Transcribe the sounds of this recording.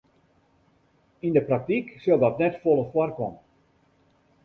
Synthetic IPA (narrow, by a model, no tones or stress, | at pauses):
indəprak̚tiksølˠdɔtnɛtfolˠəfwɔrkɔmə